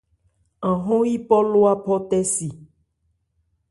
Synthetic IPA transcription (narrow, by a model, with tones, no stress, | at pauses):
ã˨ɦõ˦ji˦pɔ˦lo˦a˦pɔ˦t̪ɛ˦si˨